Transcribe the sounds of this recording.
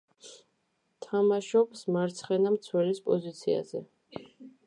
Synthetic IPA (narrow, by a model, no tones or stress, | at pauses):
t̪ʰamaʃɔpsmaɾt̪sʰχɛnamt̪sʰwɛlispʼɔzit̪sʰia̰zɛ